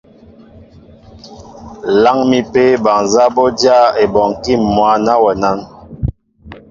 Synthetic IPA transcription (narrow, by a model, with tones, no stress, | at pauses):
la˦ŋmi˦pe˦ba˨ŋza˦bo˦dja˦˨e˨bɔ˨ŋki˦˨mːwa˨˦na˦wɛ˨na˦n